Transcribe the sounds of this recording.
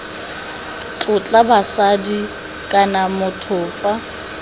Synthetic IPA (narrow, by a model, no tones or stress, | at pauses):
t͡ɬʼʊt͡ɬʼabasadi | kʼanamʊtʰʊːfa